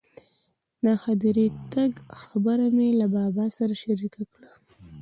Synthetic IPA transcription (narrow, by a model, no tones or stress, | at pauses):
naxad̪iɾit̪aɡxabəɾamelabɑbɑsaɾaʃaɾikakɽa